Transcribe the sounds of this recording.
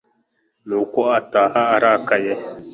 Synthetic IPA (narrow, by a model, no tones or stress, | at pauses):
nukɔatahaaɾakajɛ